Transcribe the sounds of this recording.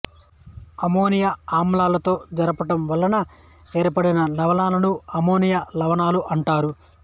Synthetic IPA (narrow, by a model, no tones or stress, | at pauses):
ɐmo̞ːnijaaːmlaːlɐt̪o̞ːd͡ʒɐɾɐpɐʈɐmʋɐlːɐnɐ | e̞ːɾpɐɽinɐlɐʋɐnaːlɐnuɐmo̞ːnijɐlɐʋɐnaːluʔɐɳʈaːɾu